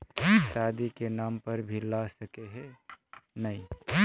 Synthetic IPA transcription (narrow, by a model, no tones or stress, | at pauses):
ʃaːd̪ikenaːmpəɾbʱilasəkeɦe | nɐĩ